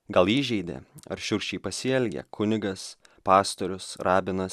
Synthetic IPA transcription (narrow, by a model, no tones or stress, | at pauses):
ɡɐlˠiːʒʲɛɪd̪ʲḛɐ̰ɾʃʲʊɾʲʃʲt͡ʃʲɛɪpɐsʲɪɛlʲɡʲɛ̰kʰʊnʲɪɡɐspɑːst̪oɾʲʊsɾɑːbʲɪnɐs